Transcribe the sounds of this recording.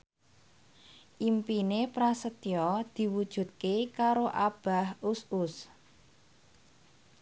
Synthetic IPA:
ʔimpinepɾasət̪jɔd̪̥i̤wud̥ʒ̥ṳt̪̚kekaɾoʔab̥a̤husʊs

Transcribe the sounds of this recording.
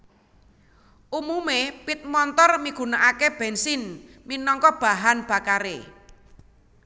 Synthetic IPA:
ʔumumepit̪̚mɔnt̪ɔrmiɡ̥ṳnaʔakeb̥ɛnsɪnminɔŋkɔb̥a̤ɦanb̥a̤kaɾḛ

